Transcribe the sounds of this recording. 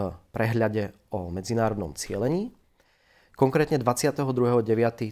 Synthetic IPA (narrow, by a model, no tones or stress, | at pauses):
pɾɛɦʎaɟɛ | ɔmɛd͡zinaːɾɔd̪nɔ̰mt͡sɪɛlɛɲiː | kɔŋkɾɛːt̪ɲɛd̪ʋat͡sɪat̪ɛɦɔd̪ɾuɦɛɦɔɟɛʋɪat̪i